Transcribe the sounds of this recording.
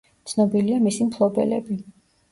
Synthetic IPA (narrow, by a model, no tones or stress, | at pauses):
t̪sʰnɔbiliamisimpʰlˠɔbɛ̰lɛ̰bi